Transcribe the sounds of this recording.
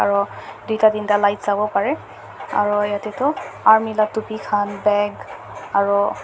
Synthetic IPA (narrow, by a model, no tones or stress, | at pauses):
aɹudijtadintalajtz̥abɔpaɹɛ | a̰ɹujatɛtʊaɹmilatːupikʰanbɛɡ | aɹu